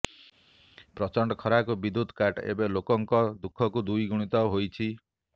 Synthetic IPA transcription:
pɾɔt͡ʃɔɳɖɔkʰɔɾakubid̪ud̪ʱkaʈḛbelokɔŋkɔd̪ukʰːɔkud̪ujɡuɽ̃it̪ɔɦojt͡ʃʰi

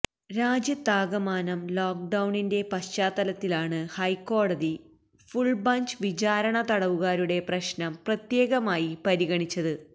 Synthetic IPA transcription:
ɾaːd͡ʑjɐt̪aːɡɐmaːnɐmloːk̚ɖɐwɳinde̞pɐɕt͡ɕaːt̪ːɐlɐt̪ːilaːɳɨhɐjkːo̞ːɽɐði | fuɭbɐɲt͡ɕʋit͡ɕaːɾɐɳɐt̪ɐɽɐʋuɣaːɾuɽe̞prɐɕnɐmprɐt̪je̞ːɣɐmaːjipɐɾiɣɐɳit͡ɕːɐðɨ

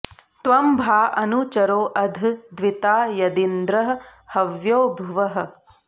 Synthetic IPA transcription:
t̪ʋɐmbʱaːɐnut͡ʃɐɾoːʔɐd̪ʱd̪ʋit̪aːjɐd̪ind̪ɾɐɦɐ̆hɐʋjoːbʱuʋɐɦɐ̆

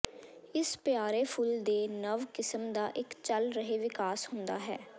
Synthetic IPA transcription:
ɪspjaːɾeːpʰʊld̪eːnəʋkɪsəmd̪aːʔɪkt͡ʃəlɾəɦeːʋɪkaːshʊ̃nd̪a̰ːɦɛː

